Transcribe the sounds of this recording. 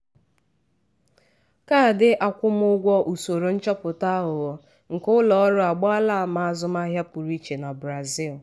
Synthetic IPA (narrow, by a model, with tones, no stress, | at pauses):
ka˦˨dɪ˦ʔa˨kʷʊ˦m˦ʊ˦ɡʷɔ˦ʔu˨so˨ɾo˨n̩˦t͡ʃɔ˦pʊ˨ta˦ɦʊ˨ɔ˨˦ | ŋ̩˨kʊ˦lɔ˨ɔ˦ɾʊ˦a˨ɡ͡bɔ˦a˦la˦˨ma˨a˦˨zʊ˦m˦a˦ɦja˦pu˨ɾi˦t͡ʃe˨na˨bɾa˨zi˦˨l